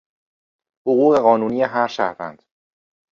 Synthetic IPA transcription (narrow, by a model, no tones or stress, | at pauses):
hoɣuːɣe̞ɣɒːnuːniːjeɦæɾʃæ̰ɾvæ̰nd̪̥